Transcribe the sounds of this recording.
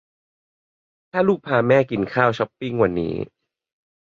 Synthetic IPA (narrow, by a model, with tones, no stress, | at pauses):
t̪ʰaː˥˩luː˥˩k̚pʰaː˧˩mɛː˥˩ki˨˩nkʰaː˥˩wt͡ɕʰɔ˦˥pːi˥˩ŋwa˧˩nːḭː˦˥